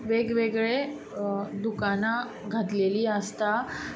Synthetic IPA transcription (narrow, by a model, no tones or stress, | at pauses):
ʋeɡʋeɡɭe | d̪ukana | ɡʱət̪leliːəst̪a